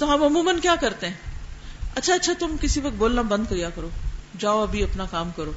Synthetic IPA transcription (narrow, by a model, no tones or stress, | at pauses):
t̪oɦɐmʊmuːmənkjaːkɐɾt̪ẽɦɛ̃ː | ɐtːʃʰaɐtːʃʰat̪ʊmkɪsiʋɐk̚t̪̚boːlnabɐ̃nd̪̚kɐjaːkɐɾoːd͡ʒaːoɐbʱiɐpnakaːmkɐɾoː